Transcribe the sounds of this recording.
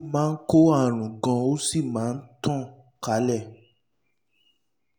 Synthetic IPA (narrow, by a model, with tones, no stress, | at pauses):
mãː˦˧n̩˦ko˦a˦˨ɾ̃ũ˨ɡɔ̃˧o˦si˦˨mãː˨˦n̩˦tɔ̃˦˨ | ka˨˦lɛ˦˨